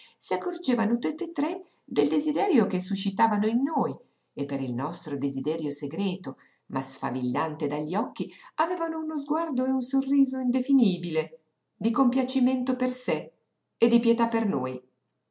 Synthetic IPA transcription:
siakːord͡ʒeːvanot̪ut̪ːet̪ːɾe | d̪eld̪ezid̪ɛɾjok̟esːuʃːit̪aːvanoinːoj | epːeɾilnɔst̪ɾod̪ezid̪ɛɾjoseɡɾɛːt̪o | masfa̰vilːant̪ed̪aʎːiɔkːiavɛːvanounozɡward̪oeunsorːiːzoind̪efiniːbile | d̪ikompjat͡ʃiment̪operse | ed̪ipjet̪apːernoːj

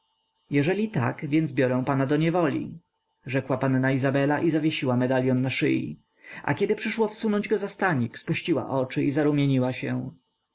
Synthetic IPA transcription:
jɛʐɛlʲit̪a̰kvʲjɛnd̪zbʲjɔɾɛ̃w̃panad̪ɔɲɛvɔlʲḭ | ʐɛkwapanːaizabɛlaʔizavʲjeɕiwamɛd̪alʲjɔnːaʂɘ̰jḭ | a̰kʲɛd̪ɘpʂɘʂwɔfsunɔɲd͡ʑɡɔzast̪aɲikspuɕt͡ɕiwa̰ʔɔt͡ʂɘʔizaɾumʲjeɲiwaɕɛ̃

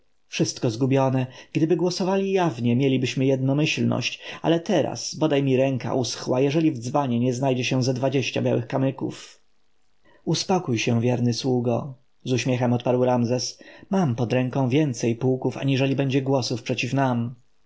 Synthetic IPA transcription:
fʂɘst̪kɔzɡubʲjɔnɛɡ̥d̪ɘbɘɡwɔsɔvalʲijavɲɛmʲjelʲibɘɕmɘjɛd̪̚nɔmɘɕlnɔ̰ɕt͡ɕa̰lɛt̪ɛɾa̰sbɔd̪ajmʲiɾɛŋka̰ʔusxwajɛʐɛlʲivd̪zbaɲɛɲɛznajd͡ʑɛɕɛ̃zad̪vad͡ʑeɕt͡ɕa̰bʲja̰wɘxkamɘkṵf | uspɔkujɕɛ̃vʲjɛɾnɘswuɡɔ | zuɕmʲjɛxɛmɔt̪̚paɾwɾamzɛsmampɔd̪ɾɛŋkɔ̃w̃vʲjɛnt̪sɛjpuːkufa̰ɲiʐɛlʲibɛɲd͡ʑɛɡwɔsufpʂɛt͡ɕifnam

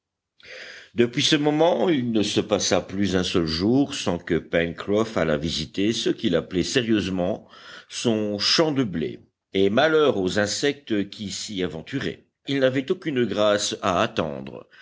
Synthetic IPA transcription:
d̪əpɥisəmɔmɑ̃ilnəsəpasaplyzɛ̃sœlʒuːʁsɑ̃kəpɛnkʁɔfala̰vizit̪esəkʲilaplɛsɛʁjøzmɑ̃sɔ̃ʃɑ̃d̪əblḛ | emalœʁozɛ̃sɛk̚t̪kʲisiavɑ̃t̪yʁɛ̰ | ilnavɛt̪okʲynɡʁasaːt̪ɑ̰̃d̪ʁə̰

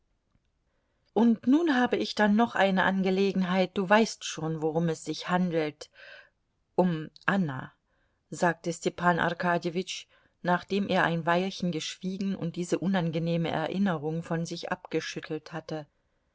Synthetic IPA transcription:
ʔʊntnuːnɦaːbəɪçd̥anːɔχʔa̰ɪnəʔanɡəleːɡŋ̩ɦaɪt̚d̥uːvaɪstʃoːnvoʁʊmɛsz̥ɪçhandl̩t | ʔʊmʔana̰ | zaːk̚təstɛpʰaːnʔa̰ʁkʰaːdevɪt͡ʃ | naːχd̥eːmʔeːɐʔaɪnvaɪlçn̩ɡəʃv̥iːɡŋ̩ʊ̰nt̚d̥iːzəʔʊnanɡəneːməʔɛ̰ɐʔɪnəʁʊŋfɔnzɪçʔa̰pɡ̥əʃʏtʰl̩thatə

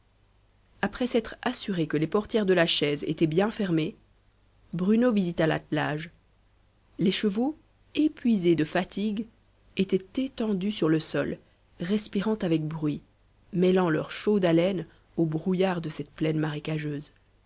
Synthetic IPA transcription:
apχɛsɛt̪χasyʁekəlepɔʁt̪jɛʁd̪əlaʃɛzḛt̪ɛbjɛ̃fɛʁme | bʁynovizit̪ala̰t̪laʒ | leʃəvo | epɥized̪əfat̪ʰiɡ | et̪ɛt̪et̪ɑ̃d̪ysyʁləsɔl | ʁɛspiʁɑ̃t̪avɛk̚bʁɥi | mɛlɑ̃lœʁʃod̪alɛn | obʁujaʁd̪əsɛt̪̚plɛnmaʁekaʒøːz

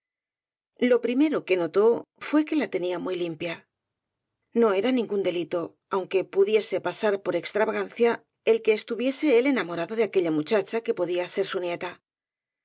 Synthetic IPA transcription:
lo̞pɾime̞ɾo̞ke̞no̞t̪o̞fwe̞ke̞lat̪e̞niamujlimpja | no̞e̞ɾanĩŋɡund̪e̞lit̪o̞ | awŋke̞puðje̞se̞pasaɾpo̞ɾe̞kst̪ɾaβaɣan̟θja | e̞lke̞ːst̪uβje̞se̞ele̞namo̞ɾaðoðeake̞ʎamut͡ʃat͡ʃake̞po̞ðiase̞ɾsunje̞t̪a

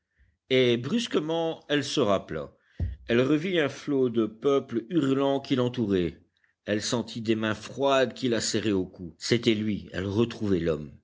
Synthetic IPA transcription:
ebʁyskəmɑ̃ɛlsəʁapla̰ | ɛlʁəviɛ̃flod̪əpœplyʁlɑ̃kʲilɑ̃t̪uʁɛ | ɛlsɑ̃t̪ʰid̪emɛ̃fχwad̪kʲilasɛʁeokuset̪ɛlɥiɛ̰lʁət̪χuvɛlɔm

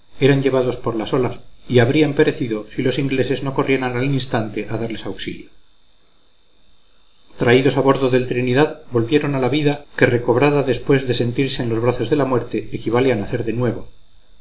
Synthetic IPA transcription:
e̞ɾaɲʎe̞βaðo̞spo̞ɾlaso̞lasiaβɾiampe̞ɾe̞θiðo̞silo̞siŋɡle̞se̞zno̞ko̞rʔjenanalinst̪ant̪e̞ʔaðaɾle̞sawksḭljo | t̪ɾaiðosaβo̞ɾðo̞ðe̞lt̪ɾiniðaðbo̞lβjeɾo̞nalaβiðake̞re̞ko̞β̞ɾaðaðe̞spwe̞zðe̞se̞nt̪iɾse̞ːnlo̞zβɾaθo̞zðe̞lamwe̞ɾt̪e̞ekiβ̞aleanaθe̞ɾðe̞nwe̞βo̞

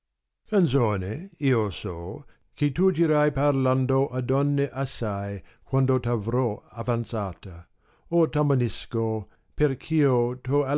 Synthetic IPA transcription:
kansoːneiːosɔ | kɪt̪ud͡ʒiɾajparland̪oʔadɔnːeʔasaj | kwand̪ot̪avɾɔavant̪saːt̪a | ot̪amanisko | perkʰiːot̪oa

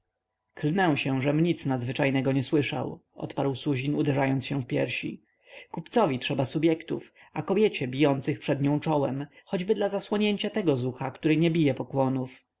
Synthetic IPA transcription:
klnɛw̃ɕɛ̃ʐɛmɲit̪snad̪zvɘt͡ʂajnɛɡɔɲɛswɘʂa̰wʔɔ̰t̪paɾwsuʑinud̪ɛʐajɔnt̪sɕɛfpʲjɛ̰ɾɕḭ | kupt̪sɔvʲitʂɛbasubʲjɛkt̪ṵf | akɔbʲjɛt͡ɕɛbʲijɔnt̪sɘxpʂɛd̪ɲɔ̃w̃t͡ʂɔwɛ̰mxɔd͡ʑbɘd̪lazaswɔɲeɲt͡ɕat̪ɛɡɔzuxakt̪uɾɘɲɛbʲijɛpɔkwɔnuf

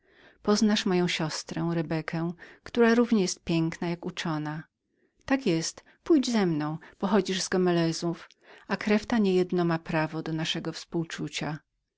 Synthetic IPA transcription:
pɔznaʂmɔjɔ̃w̃ɕɔst̪ɾɛ̃ɾɛbɛkʰɛ̃kt̪uɾaɾuvɲɛjɛst̪̚pʲjɛŋknajakut͡ʂɔna | t̪akjɛst̪ | pujd͡ʑzɛmnɔ̃w̃pɔxɔd͡ʑiʐzɡɔmɛlɛzuf | akɾɛft̪aɲejɛd̪nɔmapɾavɔd̪ɔnaʂɛɡɔfspuwt͡ʂut͡ɕa

